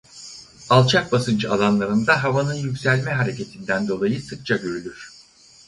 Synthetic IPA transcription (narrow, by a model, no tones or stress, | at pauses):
alˠt͡ʃʰak̚basɯnd͡ʒɯalˠanlˠaɾɯnd̪aɦavanɯnjycsælʲmɛɦaɾe̞cʰe̞t̪ʰind̪ænd̪o̞lˠajɯsɯk̚t͡ʃʰaɟøɾylʲyɾ̥